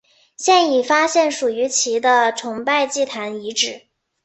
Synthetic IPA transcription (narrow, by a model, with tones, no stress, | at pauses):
ɕjɛ˥˩ni˨˩fa˥ɕjɛ˥˩nʂu˨˩y˧˥t͡ɕʰi˧˥d̪ə˧ʈ͡ʂʰʊ˧˥ŋpa˥˧ɪt͡ɕi˥˩t̪ʰa˧˥ni˧˥ʈ͡ʂɻ̩˨˩˦